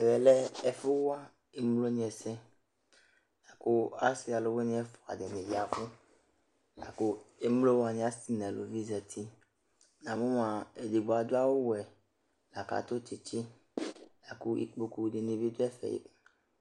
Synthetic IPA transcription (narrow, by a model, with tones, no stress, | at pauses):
ɛ˨wɛ˨lɛ˦ɛ˨fo˦wo˦a˦ | e˦mlo˦ɲĩ˨˦ɛ˨sɛ̃˦ | la˨ku˦a˦si˦a˨lo˦we˦ɲĩ˦ɛ˦fɔ˨a̰˨dɛ˨nẽ˨vi˨a˨fu˦ | la̰˨ko˦e˦mlo˦wa˨ɲĩ˨˦a˦si˦nɛ̃˨lo̰˨vi˦zɛ˨t̪ʰi˦ | nã˨mõ˦mã˨e˨de˨ɡ͡bo˨a˨d̪o˦a˦wo˦wɛ˨ | la˨ka̰˨t̪o˦t͡ʃi˨t͡ʃi˦ | la˨ku˦ḭ˨k͡po˦ku˨ɖe˨ne˨be˦d̪o˦ɛ˦fɛ̰˨jḛ˦